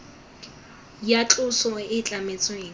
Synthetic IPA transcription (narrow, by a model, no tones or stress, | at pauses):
jat͡ɬʼʊsɔɪt͡ɬʼamet͡sʼɔeː